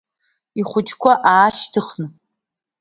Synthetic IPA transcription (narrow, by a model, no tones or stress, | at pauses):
iχʷʊt͡ʃʼkʷʰaʔaːʃtʰɨχnɨ